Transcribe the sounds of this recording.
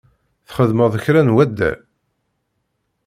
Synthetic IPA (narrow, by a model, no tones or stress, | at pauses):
θχəðməðˤəçɾænwæd̪ːæ̰